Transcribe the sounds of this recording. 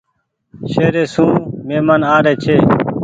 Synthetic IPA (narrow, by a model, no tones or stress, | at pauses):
ʃeːɾeːsũːmeːmənaːɾeːt͡ʃʰeː